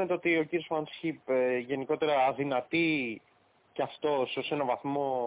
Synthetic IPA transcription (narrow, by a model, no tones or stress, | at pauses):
net̪eot̪io̞ciɾiozfɐnsçipeʝe̞niko̞t̪e̞ɾɐːðinɐt̪i | ceɐft̪o̞seose̞nɐvɐθmo̞